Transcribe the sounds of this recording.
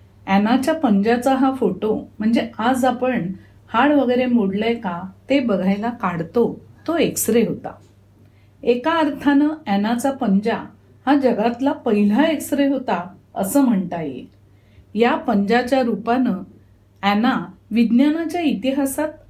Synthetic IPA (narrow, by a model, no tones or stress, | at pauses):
ɛnat͡ɕjapəɲd͡ʑat͡saɦafoʈom̤əɳd͡zead͡zapəɳ | haɭʋəɡəjɾemoɽləjkat̪ebəɡʱajlakaɽt̪ot̪oeksɾeɦot̪a̰ | ekaəɾt̪ʰanəɛnat͡sapəɲd͡ʑa | had͡ʑəɡat̪lapəɦil̤aeksəɾeɦot̪aəsəːm̤əɳt̪ajḛ | japəɲd͡ʑat͡ɕjaɾupanə | ɛnaʋid̪njanat͡ɕjait̪iɦasat̪̚